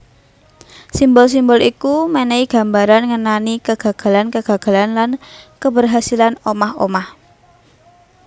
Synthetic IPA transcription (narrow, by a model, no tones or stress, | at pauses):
simbɔls̬imbɔlikumenɛiɡ̥a̤mbaɾanŋənanikəɡ̥ä̤ɡ̥a̤lankəɡ̥a̤ɡ̥a̤lanlankəbərɦasilanomaho̰mah